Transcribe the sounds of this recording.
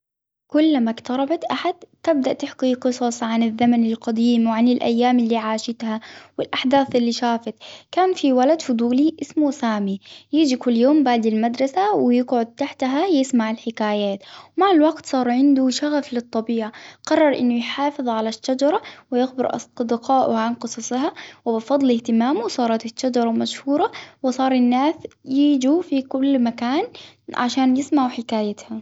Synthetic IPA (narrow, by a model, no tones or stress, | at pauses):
kʊlːmakt̪ɑɾˤɑbat̪ʔaħad̪t̪ɪb̚d̪aʔt̪aħqiːqɨsˤɑsˤʕanɪðːamanɪlqɑd̪iːmwʕanɪlʔa̰jːaːmɪlːiːʕaːʃɪt̪hawɪlʔaħd̪aːθʔɪlːiʃaːfat̪kaːnfiwalad̪fʊd̪ˤuːliʔɪsmusaːmijɪːd͡ʒikʊlːjoːmbaʕd̪ɪlmad̪ɾˤɑsawɪjɪɡʕʊd̪̚t̪aħt̪aɦajɪsmaʕɪlħɪkaːjaːt̪wmaʕalwaɡt̪sˤɑːɾˤʕɪnd̪uʃaɣaflɨt̪ˤːɑbiːʕaqɑrˤːɑɾˤʔɪnːʊjħɑːfɨðˤʕalaʃːad͡ʒɑɾˤɑwɪjɪxbɪɾʔɑ̰d̪ɪqɑːʔʕanqɨsˤɑsˤhawɪbɪfɑd̪ˤlɪht̪ɪmaːmusˤɑːɾˤɑt̪ɪʃːad͡ʒɑɾˤɑmaʃhuːɾˤɑwɪsˤɑːɾˤɪnːaːsjɪːd͡ʒufikʊlːmakaːn | ʕa̰ʃaːnjɪsmaʕwħɪkaːjat̪ha